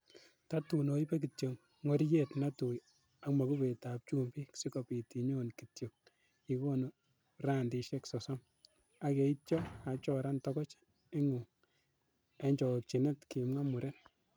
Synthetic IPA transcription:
ta˦tu˨no˨i˦pe˦k̬i˨tjo˨ŋ | ŋo˦ɾje˦˨tna˦tu˨j | a˨kma˨ku˦be˨ta˨p̚t͡ʃu˦mbi˦ksi˦kɔ˨pi˨ti˨ɲo˦nki˨tjo˨k̚ | i˨ko˦no˨ | ra˦˨ndi˦ʃɛ˦ksɔ˨sɔ˦m | a˨ke˨i˦t̚t͡ʃjɔ˦a˨t͡ʃɔ˦ɾa˦ntɔkɔ˦t͡ʃ | e˦ŋu˨ŋ | e˦ɲd͡ʒɔ˨k̚t͡ʃi˨ne˦tki˨mŋa˦mu˨ɾɛ˦n

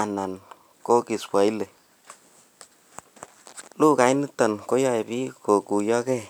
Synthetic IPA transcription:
a˨na˨n | ko˦ki˨spwa˨i˦le˨ | lu˦ka˨i˦ni˦tɔ˨nko˦jɔ˦ɛ˨pi˦ko˨ku˨jɔ˦kɛ˦˨

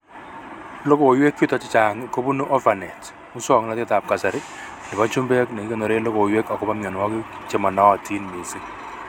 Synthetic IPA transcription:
lo˦ko˨jwe˦kːju˦tɔ˨t͡ʃɪ˦t͡ʃa˨ŋko˦bu˦nu˦ʔɔ˦va˨nɛ˨t | mʊ˦swɔ˨ŋna˦tɪ˦ta˨p̚ka˨sa˨ɾɪ˦nɪ˨pa˦t͡ʃu˦mbe˦knɛ˨˦ke˦˨nɔ˨ɾe˦lo˦ko˨jwe˦ka˨kɔ˦pa˦mjɔ˨n˨wɔ˦kɪ˦t͡ʃe˦mɔ˨na˦wɔ˨tʰi˦nmi˨si˦

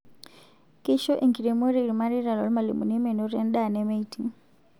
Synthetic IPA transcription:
ki˦ʃɔ˦ʔe˨ŋɡi˨ɾe˨mo˦ɾi˦˨ɾi˨ma˦ɾi˦ɾa˨lɔ̰˨lma˨lḭ˨mṵ˨ne˦me˨no˨˦ɾa˦nɗa˦˨nɛ˦me˦iti˨

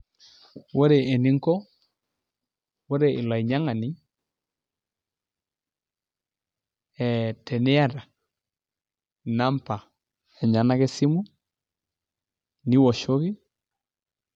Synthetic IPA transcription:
wo˦ɾe˨ʔːni˦ŋkɔ˦ | wo˦ɾe˨ɪ˨la˨i˨ɲa˦ŋa˨ni˦ | ɛ˨tɛ˨nɛ˦a˦ɾa˨ | na˦mpa˨ | ɛ˨ɲa˨na˦ke˦si˦mu˦ | ni˦wɔ˨ʃo˦ɣi˦

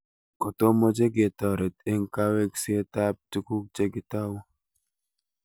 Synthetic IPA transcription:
kɔ˨to˦mɔ˦d͡ʒe˦ɡe˨tɔ˨ɾe˨te˦ŋka˦we˦kse˦ta˦p̚tu˦ku˦k̚t͡ʃe˦ɡɪ˦ta˦w

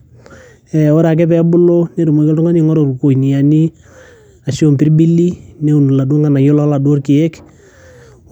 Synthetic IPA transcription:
ɛ˨o˦ɾa˨k̬ɛ˦pɛ˨bʊ˦lo˦ne˦ɾu˨mo˨ke˦ltʊ˦ŋa˦ni˨ŋɔ˦ɾo˨ɾu˨ko˨i˨ni˨ja˨ni˦ | a˨ʃi˦o˦˨mpɪ˦ɾbi˦li˦ne˦u˨n˨la˨du˦o˦ŋa˨na˨jo˦lɔ˦la˨dwo˦rkɪ˨ɛ˦k

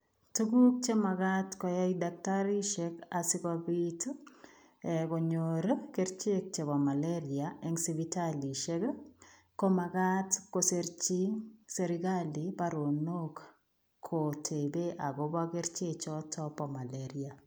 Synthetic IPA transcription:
tu˦ɡu˦k̚t͡ʃe˦ma˨ɡatkɔ˨ja˦idak̚taɾi˦ʃekasɪ˦kabit | ɛko˨ɲoɾkeɾt͡ʃe˦k̚t͡ʃe˨bɔ˨ma˨leɾiaɛŋsi˨bitali˨ʃe˦k | ko˦ma˨ɡatkoseɾt͡ʃi˦ŋseɾiɡali˨pa˦ɾo˨no˦k | kʰːotʰe˨be˦ʔa˨ɡobake˦ɾt͡ʃe˦t͡ʃɔtʰɔpɔ˨ma˨leɾia˨

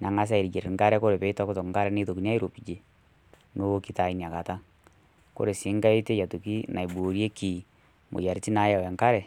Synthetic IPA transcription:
na˨ŋa˦s̬a˦i˨ɾi˨d͡ʒe˨ɾe˨ŋɡa˦ɾɛ˦ko˦ɾe˨βe˨i˦ta˦ko˦to˨ŋka˦ɾɛ˦ne˦to˨ki˨ni˦a˦i˦ɾo˨pi˨d͡ʒe˨ | no˦o˦ki˨ta˨i˦ni˨a˨ka˨ta˦ | ko̰˦ɾe˨si˦ŋɡa˦i˦te˦ja˨tu˨ki˦na˨i˨bo˨ɾje˦ki˨ | mo̰˨ja˨ɾi˨ti˦na˨˦ja˨we˨ŋka˦ɾɛ˨

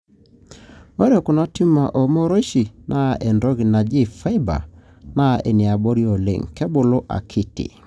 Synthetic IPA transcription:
o˦ɾɛ˨kʊ˨na˦ti˦ma˨ʔo˨mo˦ɾo˦ʃi˨nʔa˦ʔɛ˨ndɔ˦ɡi˨na˨d͡ʒi˦˨fa˦ɪ˦ba̰˨ | na˦e˨ni˨a˨bo˦ɾi˦o˨lḛ˨ŋkɛ˦bʊ˨lo˦ʔa̰˨kʰɪ˦tɪ̰˨

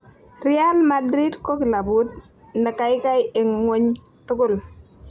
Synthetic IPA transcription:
ri˦a˦lmadɾi˦dko˦ki˨la˨bu˦d̚ | na˨ka˨jka˦jɪ˨ŋŋo˦ɲ | tʊ˦ɡʊ˦˨l

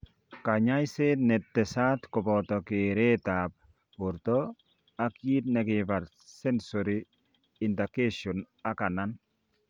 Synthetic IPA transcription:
ka˨ɲa˦jsenɛ˨tːɛ˨sa˦tkɔ˨pɔtɔ˨kɪɾe˦tap̚ | pʊ˨ɾtɔ | a˦kji˦tnɛ˨kɪ˨pa˨ɾ | sɛ˦nsɔɾi | ɪ˨nda˨ke˦ʃɔ˨n | a˦ka˨na˦n

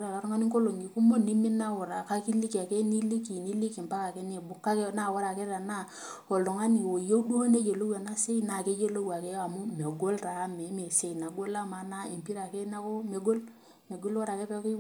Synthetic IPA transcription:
ɾa˨ka˨ɾu˦ŋa˦ni˦ŋko˦lo˨ŋi˨ku˦mo˦ni˦mi˦na˦wo˨ɾa˨ka˦ki˦li˦ki˨a˨ke˦ni˦li˦ki˨ni˦li˦ki˨mpa˦ka˨ke˦ni˦˨bu˨kːa˦kna˦˨wo˦ɾa˨ke˦a˨na˦˨ | o˨ldo˨ŋa˦ni˨o˨jo˦u˦du˦ho˦ne˦d͡ʒe˨lo˦wa˨na˦se˦i˦na˨ke˦d͡ʒe˦lo˦wa˨ke˦a˨mu˦me˨ɡo˦lɾa˨˦me˨˦me˨se˦i˨na˨ɡo˦la˦ma˨na˦e˨mpi˦ɾa˨ke˦na˦ko˦me˨ɡo˦l | me˨ɡo˦lwo˦ɾa˨ke˦pe˦ko˦

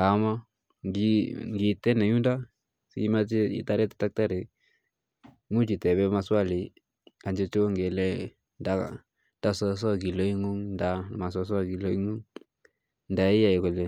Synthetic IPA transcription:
ka˨˦ma˦ | ɡi˦ŋɡi˨tɛ˦nɛ˨ɲu˦nda˦ | sḭ˦ma˦t͡ʃe˦ḭ˦ta˦ɾɛ˦tḁ˨ta˦k̚ta˦ɾe˨˦ | ŋu˦t͡ʃi˨tɛ˨βɛ˦ma˧swa˦˨li˨ | a˨nd͡ʒo˦t͡ʃo˦ŋɡe˨lɛ˦ | nda̰˦ | da˦sɔ˦s̬ɔ˦˨ɡi˨lo˦i˦ŋu˦ŋnda˨ma˨s̬ɔ˧˦s̬a˦ɡi˨lo˦i˦ŋu˦ŋ | nda˨i˦ja˦˨i˨ko˨le˨

